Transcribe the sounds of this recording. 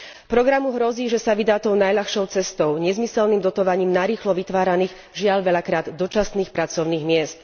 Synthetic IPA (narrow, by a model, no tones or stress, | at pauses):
pɾɔɡɾamuɦɾɔziːʒɛsaʋid̪aːt̪ɔʊnajʎaxʃɔʊt͡sɛst̪ɔʊɲɛzmisɛlniːmd̪ɔt̪ɔʋaɲiːmnaɾiːxlɔʋit̪ʋaːɾaniːɣ | ʒɪaʎʋɛʎakɾaːd̪d̪ɔt͡ʃasniːxpɾat͡sɔʊniːɣmɪɛst̪